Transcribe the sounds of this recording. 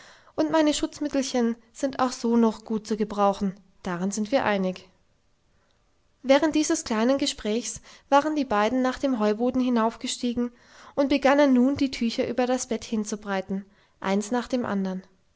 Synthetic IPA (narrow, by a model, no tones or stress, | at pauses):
ʔʊntmaɪnəʃʊt͡smɪtl̩çən | z̥ɪnta̰ʊxz̥oːnɔχɡ̥uːt̚t͡suːɡəbʁaʊxn̩ | d̥aːʁɪnzɪntv̥iːɐʔaɪnɪç | vɛːʁ̞əntd̥iːzəskl̥aɪnənɡəʃpʁ̥ɛːçsv̥aːʁəndiːbaɪdn̩naːχd̥eːmɦɔʏboːdn̩hɪnaʊfɡ̥əʃtiːɡŋ̩ | ʔʊntb̥əɡanənːuːndiːtʰyːçɐʔyːbɐdasb̥ɛthɪnt͡subʁaɪtn̩ | ʔa̰ɪnsnaːχd̥eːmʔa̰ndɐn